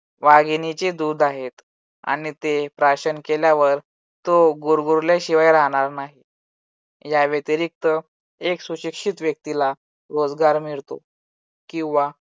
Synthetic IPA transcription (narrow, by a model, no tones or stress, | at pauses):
ʋaɡinit͡ɕed̪ud̪aɦet̪ | a̰ɽ̃it̪epɾaɕənkeljaʋəɾ | t̪oɡuɾɡuɾleɕiʋajɾaɦɽ̃aɾnaɦi | jaʋət̪iɾik̚t̪ə | eksuɕikʂit̪ʋjək̚t̪ila | ɾod͡zɡaɾmiɭt̪o̰ | kĩw̃ʋa